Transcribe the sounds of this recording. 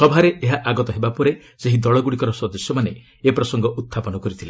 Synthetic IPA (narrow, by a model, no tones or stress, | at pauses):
sɔbʱaɾeʔeɦaʔaɡɔt̪ɔɦebapɔɾe | seɦid̪ɔɭɔɡuɽikɔɾɔsɔd̪ɔsjɔmane | epɾɔsɔŋɡɔʔut̪ʰːapɔnɔkɔɾit̪ʰile